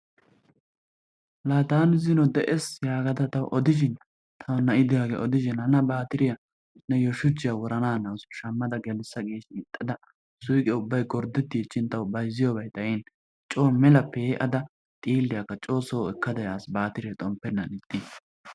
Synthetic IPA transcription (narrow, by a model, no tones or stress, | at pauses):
laːt̪aːnɪzɪnɔd̪ɛʔɛsjaːɡɐt̪ɐt̪ɐwʔɔd̪ɪʃɪn | t̪ʰɐwnɐɪd̪ɪjaːɡḛʔɔd̪ɪʃɪnɐnɐbaːt̪ɪɾɪjɐ | nːɛjɔʃʊt͡ʃːɪjɐwɔɾɐnaːnɐwsʃɐmːɐd̪ɐɡɛlsːɐɡe̞ːʃɪɪt̪ʼːɐd̪ɐ | sʊjkʼɛʊbːɐjɡɔɾd̪ɪt̪ːɪɛt͡ʃːɪnt̪ɐwbɐjzɪjobɐjt̪ʼɐjɛn | t͡ʃʼoːmɛlɐpːɛʔɐd̪ɐ | t̪ʼiːlːɪjɐkːɐt͡ʃʼo̞ːsoːɛkːɐd̪ɐjaːsbaːt̪ɪɾɪjɐt̪ʼɔmpːɛnːɐnɪt̪ʼːɪ